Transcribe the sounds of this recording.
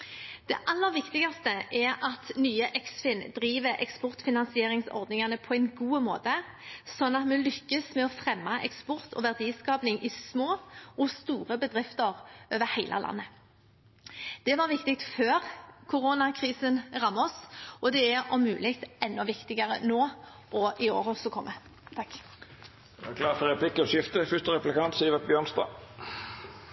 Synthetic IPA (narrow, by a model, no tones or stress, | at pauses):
d̪̥ɛʔɑlːəʋɪkt̪ɪɡɑst̪əʔɛɾɑt̪nyːəʔɛksfɪnd̪ɾiːʋəɾɛ̰kspɔʁt̪fɪnɑnsɪeːʁɪŋsɔ̰ʁd̪nɪŋɑnəpʰɔɛɪnɡuːəmo̰ːt̪ə | sɔnːɑt̪mɛlʏkːəsmɛɔfʁɛmːɑʔɛ̰kspɔʁt̪ʰɔ̰ʋæʁd̪iːskɑːpnɪŋʔɪsmoːɔst̪uːʁəbəd̪ʁɪft̪əʁʔøːʋəɾhæɪlʔə̰lɑ̰nːə | d̪̥ɛʋɑʁʋɪkt̪ɪk̚t̪føːʁkʰʊʁoːnɑkʰʁiːsənʁɑmːɔsʔɔd̪ɛæɾɔmʉ̰ːlɪkt̪ɛnːɔʋɪkt̪ɪɡəʁə̰noː | ʔɔʔɪo̰ːɾɔsɔkʰɔmːʔə | t̪ʰɑkː | d̪̥ɛæklɑːtɔɾʁɛpʰlɪkːɔʃɪft̪əfʏst̪əʁɛplɪkʰɑnt̪siːʋət̪̚bjøːnst̪ɑ̰ː